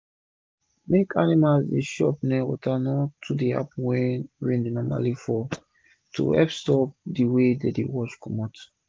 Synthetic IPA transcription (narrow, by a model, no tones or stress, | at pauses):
mekanimazdeʃɔpnɛ̃wɔ̰tanɔtʰudia̰pwɛ̃ɹɛ̃ndenɔma̰lifɔ | tʰṵɛpstɔp̚diwededewɔt͡ʃkʰɔmɔt